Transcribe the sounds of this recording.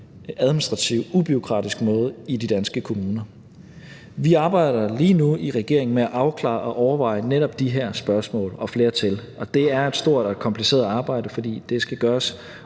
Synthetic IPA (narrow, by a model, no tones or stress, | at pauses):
æðˠminisd̥ʁɑ̈t͡sʰiʊub̥yo̝kʰʁɑ̰̈ːd̥isɡ̥mɔ̽ːð̞̩ˠidid̥ænsɡ̥əkʰo̝muːnɐ | ʋiɑ̈ːb̥ɑ̈ɪ̰ɾ̥ɐliːnuiʁɛɡ̥e̝ɐ̰e̝ŋn̩meæʔɑ̈ʊkʰlɑ̰̈ːʔɒ̽ʔɒʊɐʋɑ̈ɪəneɾɒ̽b̥̚d̥iɦæɐ̰sb̥ɶɐsmɔ̰ːlɒ̽fle̝ːɐt͡sʰel | ɒ̽d̥e̝æɐe̝d̥sd̥o̝ɐ̰d̥ɒkʰɒ̽mpʰlise̝̰ːɐð̩ˠɑ̈ːb̥ɑ̈ɪ̰ɾ̥əfɒ̽d̥ḭːd̥e̝sɡ̥æɡ̥ɶːɐs